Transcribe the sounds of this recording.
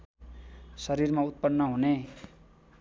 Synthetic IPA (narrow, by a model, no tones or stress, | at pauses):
sʌɾirmaut̪̚pʌnːʌɦune